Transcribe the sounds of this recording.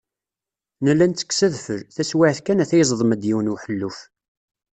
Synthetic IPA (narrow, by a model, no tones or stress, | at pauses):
nəlːænt͡sːə̥kːsəðfəɾθæswaʕθkænæθæjəzˤðˤməd̪jiwənuħəlːuf